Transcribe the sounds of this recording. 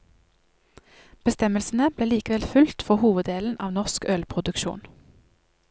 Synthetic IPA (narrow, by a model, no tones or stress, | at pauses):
b̥əst̪ɛməlsn̩əb̥leːliːkəʋɛlfʉlt̪fɔʁhuːʋəd̪eːln̩ʔɑ̰ːʋnɔʁskœlpʰʁʊd̪ʉkʃṵːn